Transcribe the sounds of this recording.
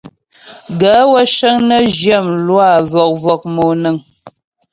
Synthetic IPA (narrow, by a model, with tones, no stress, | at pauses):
ɡə˨˦wə˦ʃə˦ŋnə˦ʒjə˦˨mlwa˦˨vɔ˨k̚vɔ˨k̚mo˨nə˨ŋ